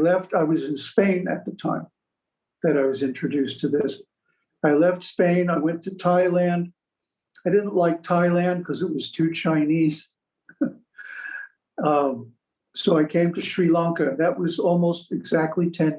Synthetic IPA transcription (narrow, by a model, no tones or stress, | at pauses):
lɛftaɪwʌzɨ̃nspẽɪ̃nɨ̰t̪̚ðɨtʰã̰ɪ̃m | ðɨɾaɪwʌzɪ̃nt͡ʃɹ̥ɨdʉstʰɨðɪs | aɪlɛftspẽɪ̃naɪwɛ̃ntʰɨtʰaɪlæ̃nd | aɪɾɪdⁿn̩ʔlaɪk̚tʰaɪlæ̃nd̚kʰʌzɨt̚wʌz̥tʰʉt͡ʃʰãɪ̃niz̥ | ʌ | soʊaɪkʰẽɪ̃mtɨʃɹilɑ̃ŋkɨðɨt̚wʌzɔlˠmoʊstɨɡz̥æk̚tˡlitʰɛ̃n